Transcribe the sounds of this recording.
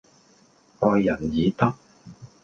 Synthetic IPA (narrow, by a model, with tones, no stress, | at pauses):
ʔɔː˧jːɐ˨˩njiː˨˧t̪ɐ˥k̚